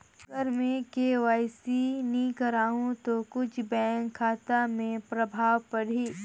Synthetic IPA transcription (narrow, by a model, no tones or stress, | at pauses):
əɾmẽkeːʋaːɪsinĩkɐɾaːɦũt̪okʊt͡ʃʰbɛ̃ːŋkʰːaːt̪amẽpɾɐbʱaːwpɐɽ̤iː